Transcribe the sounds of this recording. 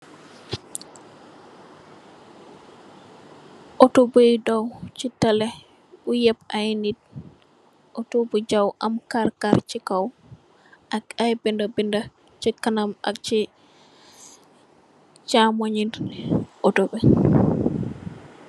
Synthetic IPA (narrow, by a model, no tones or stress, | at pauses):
ʔɔtobujdawt͡ʃitalɛ | ujɛpajnit̚ | ʔotobud͡ʒawʔamkaɾkaɾt͡ʃikaw | ʔakajbindabinda | t͡ʃikanama̰k̚t͡ʃi | t͡ʃamoɲinʔɔtobɛ